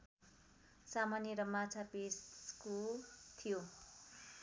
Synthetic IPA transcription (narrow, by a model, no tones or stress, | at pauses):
samanjʌɾʌmat͡sʰapeskot̪ʰijo